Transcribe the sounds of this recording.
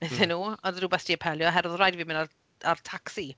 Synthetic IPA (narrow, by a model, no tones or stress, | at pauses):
eθɪnːuːɔndduːbɛθd̥iəpʰɛlˠjɔɦɛɾɔðrajdviːmɪnar | artʰaksi